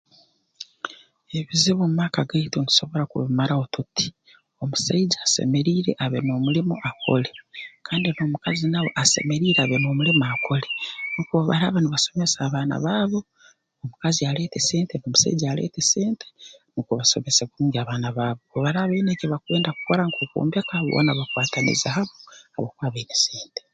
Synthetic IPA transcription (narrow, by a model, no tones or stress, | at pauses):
e̞βiziβomumaːkaɡaitoni̥so̞βo̞ɾakṵβimaɾaotuti̥ | omusaiɟaːsḛmeɾiːɾe̞̰ʔaβeno̞ːmulimoʔakʰo̰le̞kʰaːndinoːmukazinawo̞̰ʔase̞̰me̞ɾiːɾeaβenoːmulimakʰo̞lenukuβaβa̰ɾaβaniβaso̞mesaːβaːna̰βaːβo̞ː | mukaziale̞ːteseːnteno̞ːmusa̰iɟaːlḛːteseːntʰe̥nukuβaso̞̰meseβuuŋɡaːβaːnaβaːβokoβaɾaːβenekeβakwe̞ːndaku̥ko̞ɾaŋkoko̰ːmbjakaβo̰naβakwaːtanḭzahaβoa̰βokwaːβeneseːnte